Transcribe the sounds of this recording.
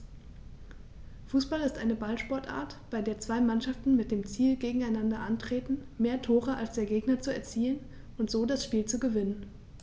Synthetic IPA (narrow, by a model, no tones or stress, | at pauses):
fuːsb̥alɪstʔaɪnəbalʃpɔɐtʔa̰ːɐtb̥aɪdeːɐt͡sv̥aɪmanʃaftn̩mɪt̚d̥eːmt͡siːlɡeːɡŋ̩aɪnandɐʔantʁ̥eːtn̩meːɐtʰoːʁəʔalsd̥eːɐɡeːɡnɐt͡suɛɐt͡siːən | ʔʊntz̥oːdasʃpiːlt͡suɡəvɪnən